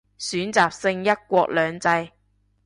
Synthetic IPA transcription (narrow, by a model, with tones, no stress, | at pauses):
syː˨˥nt͡saː˨˩p̚sɪ˧ŋjɐ˥t̚kʷɔː˧k̚lœː˨˧ŋt͡sɐ˧j